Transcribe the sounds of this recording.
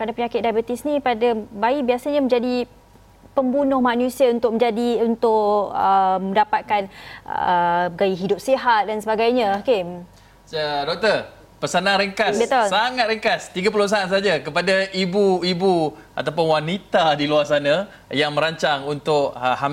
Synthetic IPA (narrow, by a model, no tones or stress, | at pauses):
kadapəɲakɪt̪̚dajbət̪ɪsnipadabaibiasaɲamə̃ɲd͡ʒadi | pəmbunʊhmanusiaunt̪ʊk̚mə̃ɲd͡ʒadiunt̪ʊʔəmə̃ndapat̪̚kan̰ | ɡaiɦidʊp̚seɦat̪̚dansəbaɡajɲãakɪm | ədɔk̚t̪ə | pəsanaŋɾəŋkasbət̪olsaŋat̪̚ɾəŋkast̪iɡapuloəsaansad͡ʒakəpadaibuibuʔat̪ap̬ʊnwanit̪adiluarsana | jaŋmə̃ɾaɲt͡ʃaŋunt̪ʊkham